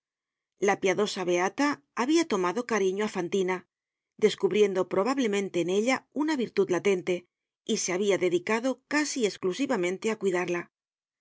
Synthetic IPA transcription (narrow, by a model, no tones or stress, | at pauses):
lapjaðo̞saβe̞at̪aː | βiat̪o̞maðo̞kaɾiɲoafant̪ina | d̪e̞skuβɾje̞nd̪o̞pɾo̞βaβle̞mẽ̞nt̪e̞ːne̞ʎaunaβiɾt̪uðlat̪e̞nt̪e̞ | iseaβiaðe̞ðikaðo̞kasie̞sklusiβamẽ̞nt̪e̞akwiðaɾla